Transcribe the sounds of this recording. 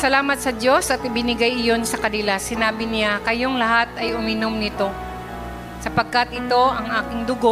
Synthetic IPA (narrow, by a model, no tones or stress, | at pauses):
sɐlaːmɐt̪̚sɐdo̞sʔɐt̪̚ɪbɪnɪɡajɪjo̞nsɐkɐnɪlasɪnaːbɪnɪakɐjo̞ŋlɐɦat̪ɐjʔʊmɪno̞mnɪt̪o̞ | sɐpɐɡ̚kat̪̚ʔɪt̪o̞ʔɐŋʔaːkɪŋd̪ʊɡo